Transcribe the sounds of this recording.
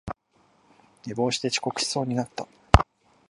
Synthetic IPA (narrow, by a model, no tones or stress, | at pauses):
ɲʲibo̞ːɕi̥t̪e̞t͡ɕi̥ko̞kɯ̟̥ɕi̥so̞ːɲ̟inat̪ːa